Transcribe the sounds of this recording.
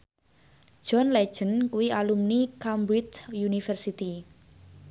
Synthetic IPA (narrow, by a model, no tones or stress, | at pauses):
ʒ̥ɔnlɛ̥ʒ̥ənkuwialumnikambɾit͡ʃjunifɛrsit̪i